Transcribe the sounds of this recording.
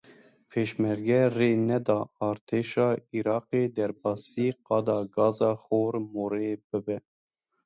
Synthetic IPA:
pʰeːʃmɛɾɡɛreːnɛd̪ɑːɑːɾt̪ʰeːʃɑːiɾɑːqeːd̪ɛɾbɑːsiːqɑːd̪ɑːɡɑːzɑːxoːɾmoːɾeːb̥ɨbɛ

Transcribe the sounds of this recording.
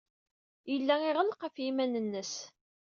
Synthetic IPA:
jəlːæɪʁəlqəfjimænənːəs

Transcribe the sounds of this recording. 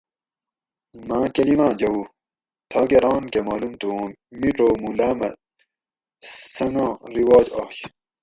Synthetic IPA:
mãːkɐlimãːd͡ʑɐu | t̪ʰɑːɡeɾɑːnkemaːlumt̪ũ | miʈoːmulaːmɐ̰ | sɐŋãːɾiwɑːd͡ʑɑ̰ːɕ

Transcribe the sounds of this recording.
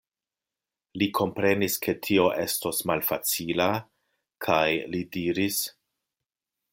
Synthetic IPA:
likʰo̞mpɾe̞niskʰe̞tʰio̞ʔe̞sto̞smalfat͡sila | kʰajlidiɾis

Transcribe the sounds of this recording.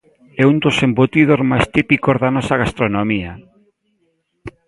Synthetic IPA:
ɛund̪osembot̪iðozmajst̪ipikozðanɔsaɣast̪ɾonomia

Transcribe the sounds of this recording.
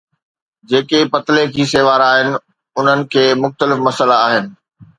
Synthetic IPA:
d͡ʑeːkepɐt̪lekʰiːseːʋaːɾaːɦɪnɪ̆ | ʊn̤ənɪ̆kʰeːmʊxt̪əlɪfmɐsəlaːɦɪnɪ̆

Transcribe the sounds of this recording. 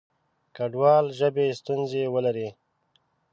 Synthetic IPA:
kaɖwɑːlʒəbest̪unzewəlaɾi

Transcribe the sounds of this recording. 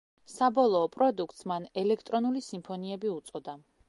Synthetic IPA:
sabɔlˠɔːpʼɾɔd̪uk̚ʰt̪smanɛlɛkʰt̪ʼɾɔnulisimpʰɔniɛbiut̪sʼɔd̪a

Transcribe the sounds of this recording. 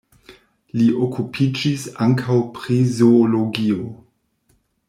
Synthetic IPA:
liʔokʰupʰid͡ʒisaŋkʰawpɾizoːloɡio

